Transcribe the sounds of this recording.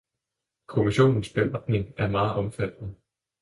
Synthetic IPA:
kʰo̝miɕo̝̰ːnn̩sb̥ed̥ne̝ŋæɐmɑ̈ːð̩ˠʔɒ̽mfæd̥nə

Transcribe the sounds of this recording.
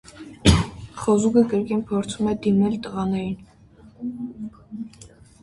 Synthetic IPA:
χɔzuɡəkəɾkinpʰɔɾt͡sʰumɛd̪imɛlt̪əʁɑnɛɾin

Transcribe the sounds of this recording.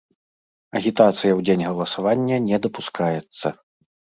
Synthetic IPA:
ɐɣʲit̪at̪sɨjɐwd͡zʲenʲɣɐlˠɐsavanʲːɐnʲɛd̪ɐpuskajɛt̪sːɐ

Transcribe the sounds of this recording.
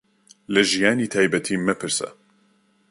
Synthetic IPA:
lɐʒijaːniːt̪ʰaːjbɐt̪ʰiːmɨpʰɨɾsɐ̰

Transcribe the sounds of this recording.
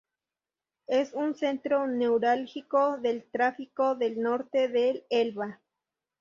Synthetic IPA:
esunsent̪ɾonewɾalxikoðelt̪ɾafikoðelnoɾt̪eðelelβa

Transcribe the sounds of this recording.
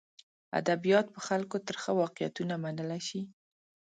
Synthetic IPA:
a̰d̪abijɑt̪̚pəxalkot̪əɾxəwɑqɪja̰t̪unamanəlaʃi

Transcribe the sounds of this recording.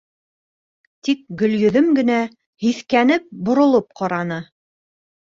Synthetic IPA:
t̪ik̚ɡɵ̆ljɵ̆ðɘmɡɘ̆næ | hiθkænɘp̚bŏɾŏlˠɤp̚qɑɾɑnɤ

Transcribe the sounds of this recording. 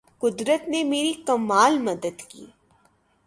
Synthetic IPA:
kʊd̪ɾət̪nemeːɾikɐmaːlmɐd̪əd̪kḭː

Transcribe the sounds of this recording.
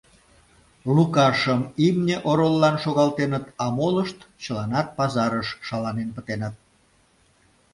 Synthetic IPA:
lukɑʃəmimnʲeʔoɾolːɑnʃoɣɑlt̪enət̪ɑmoləʃt̪t͡ɕəlɑnɑt̪̚pɑzɑɾəʃʃɑlɑnenpət̪enət̪̚

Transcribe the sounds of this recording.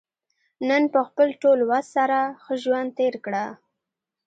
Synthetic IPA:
nənpəxpəlʈolwazsaɾaxəʒwand̪̚t̪eɾkɽa

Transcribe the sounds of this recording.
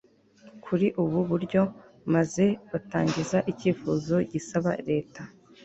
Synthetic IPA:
kʰuɾiʔuβuβuɾɟo̞ | maze̞βataːɲɟizaʔiciːfuzo̞ɟisaβa̰ɾe̞ːta

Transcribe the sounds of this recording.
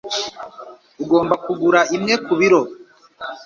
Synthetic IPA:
uɡo̞ːmbakuɡuɾaimŋekuβiɾo̞

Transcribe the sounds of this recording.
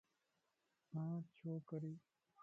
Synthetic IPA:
mãːt͡ɕʰoːkɐɾi

